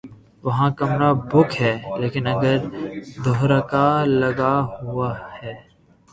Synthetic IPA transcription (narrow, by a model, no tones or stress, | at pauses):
ʋɐɦãkɐmɾabʱʊkʰɦɛːleːkɪnɐɡəɾd̪oɦɾakalɐɡaɦʊahɛː